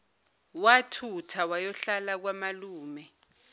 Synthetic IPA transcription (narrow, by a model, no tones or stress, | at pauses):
watʰutʰawajɔɬalak̬wamaluːmɛ